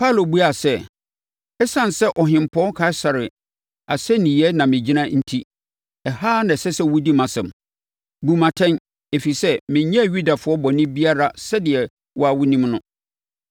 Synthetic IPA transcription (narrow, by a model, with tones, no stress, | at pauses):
pʰa˦˨lo˨bu˦a˨sɛ˦ | ɛ˦sã˦˨n˨sɛ˦ʔɔ˨ɦɪ̃˨m˨pʰɔ̃˦kʰa˦ɪ˦sa˨ɾɪ˨ | a˨sɛ˦nĩ˨jɛ˦nã˨mɪ̃˨d͡ʑi˦nã˦n̩˦tʰi˦ | ɛ˨haː˦nã˨sɛ˦sɛ˦wu˦di˦mã˨sɛ̃˨m | ɡu˨mã˨tʰɛ̃˦n | e˨fi˨sɛ˦mɪ̃˨ɲɛ̃˦˨ɥu˦da˨fʊ˨˦ɔ˦bɔ˨nɪ̃˦bi˦a˦ɾa˦sɛ˦dɪ˨ɛ˨ | wɔ˦a˨wʊ˦nĩ˦mnʊ̃˦